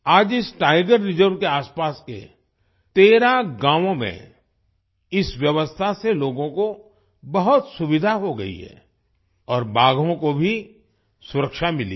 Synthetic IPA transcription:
aːd͡ʒɪsʈaːɪɡəɾːɪzəɾʋkeaːspaːskḛ | t̪eːɾaɡãːʋõmḛ̃ | ɪsʋjɐʋəst̪ʰaseloːɡõko | bɐɦʊt̪sʊʋɪd̪ʱaɦoɡɐ̰ḭɦɛ̰ː | ɔːɾbaːɡʱõkobʱi | sʊɾəkʃamɪlḭ

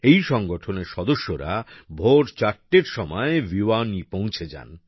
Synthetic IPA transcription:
ejʃɔŋɡoʈʰoneɾʃɔd̪oʃːoɾa̰bʱoɾt͡ɕaɾʈːeɾʃɔmɔeviwanipõw̃t͡ɕʰed͡ʑa̰n

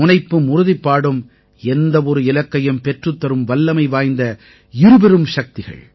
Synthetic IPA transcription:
ʊnɐɪpːɯmʊɾʊðɪpːaːɽɯm | ɛnd̪ɐɔɾɯɪlɐkːɐjɯmpɛʈrɯt̪ːɐɾɯmʋɐlːɐmɐɪʋaːjnd̪ɐ | ɪɾɯbɛɾɯmʂɐk̚t̪ɪɣɐ̰ɭ

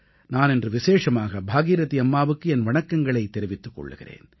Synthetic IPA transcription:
naːnɛndrɯʋɪseːʂɐmaːɣɐbʱaːɣiːɾɐt̪iɐmːaːʋɯkːɯɛnʋɐɳɐkːɐŋɡɐɭɐɪt̪ːɛɾɪʋɪt̪ːɯkːɔ̰ɭːɯ̰ɣɪ̰rḛːn

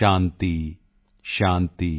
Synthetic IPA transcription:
aːnt̪i | ʃaːnt̪i

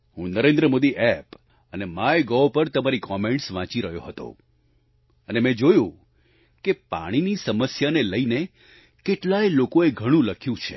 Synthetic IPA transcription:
hũnəɾẽnd̪ɾəmod̪iʔɛp | ənemaeɡɔʋpəɾt̪əmaɾikɔmẽɳʈsʋãt͡ʃiɾəɦjoɦət̪o̰ | ənemɛ̃d͡ʒojũ | kepa̰ɽ̃inisəməsjaneləine | keʈlajlokoeɡʱəɽ̃ũləkʰjũt͡ʃʰe̥̰

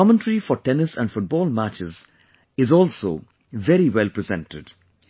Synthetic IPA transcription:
ɔmə̃nʈəɾifɔɾʈɛnɪsæ̃nɖfʊʈ̚bɔːlmæt͡ʃɪz | ɪzɔːlso̰ː | ʋɛɾiwɛlpɾɪzɛ̰̃nʈɪɖ̥

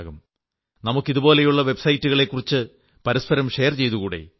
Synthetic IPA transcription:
ɣum | nɐmukːiðubo̞ːle̞juɭːɐʋe̞bsɐjtːuɣɐɭe̞kːurit͡ɕːɨ | pɐɾɐspɐɾɐmʂe̞jɐrt͡ɕe̞jt̪uɣuːɽḛ

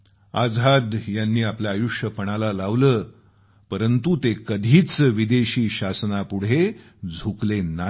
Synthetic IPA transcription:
ad͡zɦad̪janːiːapljaːjuʂjəpəɽ̃alalaʋləː | pəɾənt̪ut̪ekəd̪ʱiːt͡sʋid̪eɕiːɕasnapuɽ̤e | d͡zʱuklena

